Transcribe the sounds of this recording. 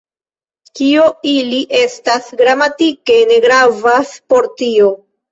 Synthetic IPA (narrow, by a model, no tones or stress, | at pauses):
kioiliʔe̞stasɡɾamatike̞ne̞ɡɾavaspo̞ɾtio̞